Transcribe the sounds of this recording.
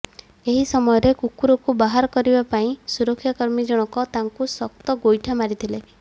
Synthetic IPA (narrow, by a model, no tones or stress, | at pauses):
eɦisɔmɔjɔɾekukuɾɔkubaɦaɾɔkɔɾibapaĩsuɾɔkʰːjakɔɾmid͡ʒɔɽ̃ɔkɔt̪aŋkusɔk̚t̪ɔɡojʈʰamaɾit̪ʰile